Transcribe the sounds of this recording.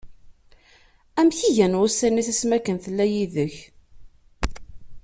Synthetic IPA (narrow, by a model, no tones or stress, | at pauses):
æmçiʝænʁusːæniθæsmækənθəlːæjiðəç